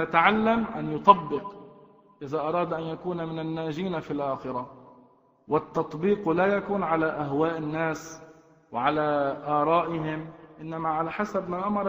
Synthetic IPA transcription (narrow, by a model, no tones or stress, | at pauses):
at̪aʕalːamʔa̰njʊt̪ˤɑbːɪq | ʔɪðaʔɑɾˤɑːd̪ʔanjakuːnamɪnanːaːʒiːnafilʔaːxɪɾa | wɪt̪ːɑt̪ˤbiːqlajakuːnʕalaʔaɦwaːʔɪnːaːs | wʕalaʔɑːɾˤɑːʔɪɦɪmʔɪnːamaʕalaħasabmaːʔamɑɾˤ